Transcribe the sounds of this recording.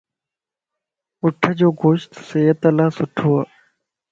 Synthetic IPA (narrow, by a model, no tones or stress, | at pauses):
ʊʈʰɐd͡ʑoːɡoːʃt̪sejɐt̪ɐlaːsʊʈʰuːaː